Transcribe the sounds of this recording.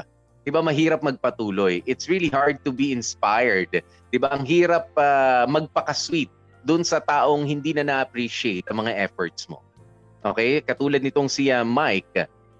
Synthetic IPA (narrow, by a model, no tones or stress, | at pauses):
d̪̥ɪbamɐɦiːɾɐp̚mɐɡ̚pɐt̪uːlo̞jʔɪt̪sɹilihaɹd̪̚t̪ʊbiɪnspajɛɹd̪ | d̪̥ɪbaʔɐŋɦiːɾɐp̚amɐɡ̚pɐkɐswit̪̚ | d̪ʊnsɐt̪aːʔo̞ŋhɪnd̪inɐnɐʔɐpɾiʃɪejt̪ʔɐŋmɐŋaʔɛfoɹt̪̚smo̰ | ʔo̰ːkɛjkɐt̪uːlɐd̪̚nɪt̪oŋsɪɐmajk̚